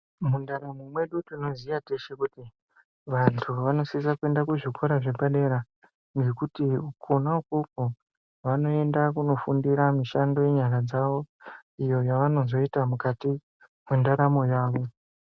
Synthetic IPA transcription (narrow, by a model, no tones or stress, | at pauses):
mundaɾamomwe̞ɗutino̞zijate̞ʃekuti | ʋantʰuʋano̞sisakue̞ndakuʐikʰo̞ɾaʐe̞baɗe̞ɾa | ŋɡe̞kutiukʰonaukoko | ʋano̞e̞ndakuno̞fundiɾamiʃando̞je̞ɲaɾad͡zaʋo̞ijo̞jaʋano̞zo̞itamukati | mendaɾamo̞jaːʋo̞